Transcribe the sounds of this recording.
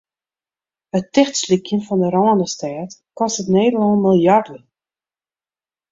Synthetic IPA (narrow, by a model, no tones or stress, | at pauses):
ətɛχtslikjənfɔndəɾɔːəndəstɛːtkɔstətneːdəlɑnmilˠjardə